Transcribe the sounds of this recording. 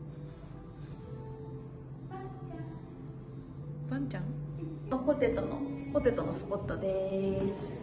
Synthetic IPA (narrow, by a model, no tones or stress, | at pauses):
bãɲt͡ɕãŋopot̪e̞t̪ono̰po̞t̪e̞t̪onosɨ̥po̞t̪ːod̪es